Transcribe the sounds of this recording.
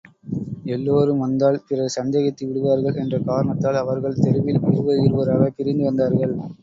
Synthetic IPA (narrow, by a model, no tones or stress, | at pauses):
ɛlːoːɾɯmʋɐnd̪aːlpɪrɐsɐnd̪eːɣɐt̪ːiʋɪɽɯʋaːɾɣɐɭʔɛndrɐkaːɾɐɳɐt̪ːaːlɐʋɐɾɣɐɭt̪ɛɾɯʋɪlpɪɾɯʋɐɣɪɾɯʋɐɾɐɾɐpːɪɾɪnd̪ɯʋɐnd̪aːɾɣɐɭ